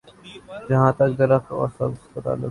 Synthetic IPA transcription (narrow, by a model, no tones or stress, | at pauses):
d͡ʒɐɦãːt̪ɐk̚d̪ɐɾəkɔ̰ːɾsɐbɪspət̪a̰ːlə